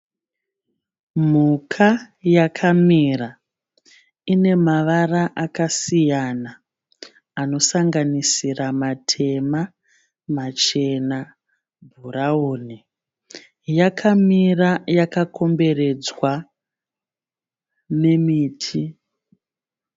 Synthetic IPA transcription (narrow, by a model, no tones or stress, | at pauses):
m̤ukʰajakʰamira | ine̞maʋaraʔakasijanaː | no̞saŋɡanisiramatʰe̞ma | mat͡ʃe̞na | bʱurauːne | jakʰamirajakako̞mbe̞re̞d͡zwa | ne̞miːtʰi